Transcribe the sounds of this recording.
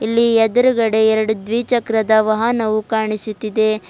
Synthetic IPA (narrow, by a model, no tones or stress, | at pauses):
ilːiɛd̪ɐɾuɡɐɽe̞ɛɾɐɽud̪ʋiːt͡ʃɐkɾɐd̪ɐʋɐɦɐnɐʋukaːɳisut̪ːid̪e̞